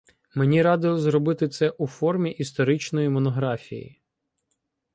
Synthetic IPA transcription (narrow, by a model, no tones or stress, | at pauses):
menʲiɾɑd̪ɪlˠɔzɾɔbɪt̪ɪt̪sɛʔufɔrmʲiʔist̪ɔɾɪt͡ʃnɔjimɔnɔɦɾɑfʲḭjḭ